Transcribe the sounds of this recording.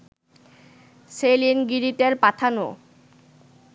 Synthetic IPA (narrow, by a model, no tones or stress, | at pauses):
selinɡiɾit̪eɾpat̪ʰano